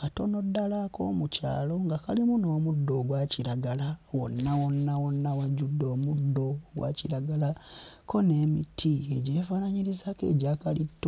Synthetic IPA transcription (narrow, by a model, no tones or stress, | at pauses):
kato̞no̞dːalako̞̰ːmuca̰ːlo̞ŋɡakalimuno̞ːmudːo̞ːɡwaːciɾaɡalawo̰nːawo̞nːawonːawaɟudːo̞ːmudːo̞ɡwa̰ːciɾaɡalako̞ne̞ːmitʰieɟe̞ːfanaɲiɾizakḛːɟaːkalitː